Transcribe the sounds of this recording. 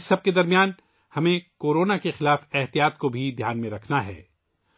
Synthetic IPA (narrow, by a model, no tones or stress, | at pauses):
sːɐb̚ked̪ɐɾmijaːn | hɐmẽkoːɾoːnakexɪlaːfɛɦt̪ijaːt̪kobʱid̪ʱjaːnmẽɾɐkʰnaɦɛ̰ː